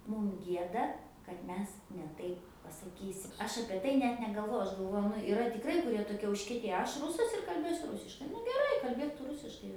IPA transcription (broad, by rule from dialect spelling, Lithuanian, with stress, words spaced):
ˈmʊm ˈɡʲiɛdɐ kɐt ˈmʲɛs nʲɛ ˈtɐɪp pɐsɐˈkʲiːsʲɪm ˈɐʃ ˈɑːpʲiɛ tɐɪ ˈnʲɛt nʲɛɡɐlˠˈʋoːjʊ ˈɐʃ ɡɐlˠˈʋoːjʊ ˈnʊ ɪˈrɐ tʲɪkˈrɐɪ kʊˈrʲiɛ toːˈkʲiɛ ʊʃʲkʲiɛˈtʲeːjɛ ˈɐʃ ˈrʊsɐs ɪr kɐlʲˈbʲeːsʲʊ ˈrʊsʲɪʃkɐɪ nʊ ɡʲɛˈrɐɪ kɐlʲˈbʲeːk ˈtʊ ˈrʊsʲɪʃkɐɪ